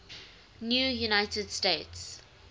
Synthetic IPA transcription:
njuːjunaɪtədsteɪts

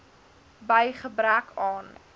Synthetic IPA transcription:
bəjχəbrækɑːn

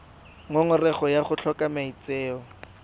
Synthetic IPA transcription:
ŋʊŋʊrɛχɔjaχʊt͡ɬʰɔkʼamait͡seːɔ

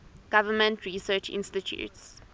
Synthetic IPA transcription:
ɡ̥avəmə̃ntʰɹisɛːt͡ʃḭ̃nstitʰjṵts

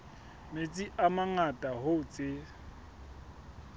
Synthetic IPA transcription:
met͡sʼiʔamaŋatʼahot͡sʼe

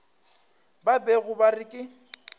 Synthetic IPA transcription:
babɛɣʊbarɪkʼɪ

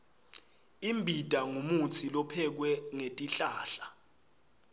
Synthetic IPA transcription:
imbʱidʼʱaŋumut͡sʰilɔpʰɛk̬wɛŋetʼiɬaːɬa

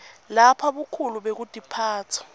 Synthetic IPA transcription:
lapʰaɓukʰuluɓek̬ud̥ʼʱipʰaːt͡sʰɔ̥

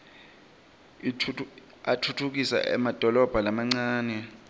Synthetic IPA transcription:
i | atʰutʰuk̬isa̰ʔɛ̰mad̥ʱɔlɔb̥ʱalamaŋ͡ǀaːnɛ

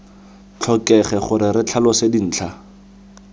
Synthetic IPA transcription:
t͡ɬʰɔkʼɛχɛχʊɾɪɾɪt͡ɬʰalɔsedin̩ːt͡ɬʰa

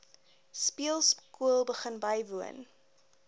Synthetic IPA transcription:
spiəlˠskuəlˠbəχənbɐjvuə̰n

